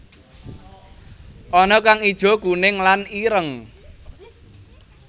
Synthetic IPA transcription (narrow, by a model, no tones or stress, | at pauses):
ʔɔnɔkaŋid̥ʒ̥ɔ̤kunɪŋlaniɾəŋ